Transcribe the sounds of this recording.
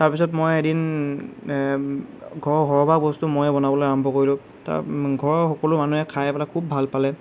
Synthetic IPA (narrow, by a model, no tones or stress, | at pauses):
taɹpisɔtmojedin | ɡʱɔɹɡʱɔɹbʱak̚bɔstumojɛbɔnabɔlojaɹɔmbʱɔkoɹilʊ̃ | ta̰ɡʱɔɹxɔkɔlʊmanuɛkʰajɛpɛlakʰubːʱalpalɛ